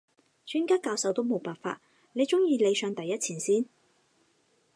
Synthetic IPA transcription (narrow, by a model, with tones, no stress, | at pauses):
t͡ʃʰyː˨˥nkaː˥kaː˧wsɐ˨˧wt̪o˥wmo˨˧wpaː˨nfa̰ː˧t̚ | ne˨˧jt͡sʊ˥ŋjiː˧le˨˧jsœː˨˧ŋt̪ɐ˨˩jːɐ˥t̚t͡sʰiː˨˩nsiː˥˩n